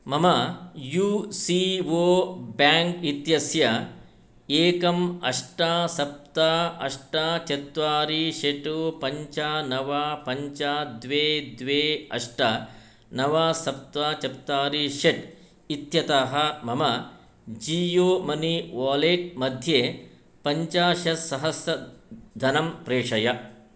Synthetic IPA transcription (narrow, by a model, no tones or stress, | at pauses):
mɐmɐjuːsiʋoːbaːŋkit̪jɐsjɐ | eːkɐmɐʂʈasɐp̚t̪aɐʂʈɐt͡ʃɐt̪ʋaːɾiʃeʈupɐɲt͡ʃɐnɐʋapɐɲt͡ʃad̪ʋeːd̪ʋeːɐ̰ʂʈɐ | nɐʋaːsɐp̚t̪ʋaːt͡ʃɐp̚t̪ːaːɾiʃeʈ | it̪jɐt̪aːɦɐmɐmɐ | d͡ʒiːjoːmɐniʋaːleːʈ̚mɐd̪ʱjeː | pɐɲt͡ʃaːʃɐsɐɦɐsjɐd̪ʱɐnɐmpɾeːʂɐjɐ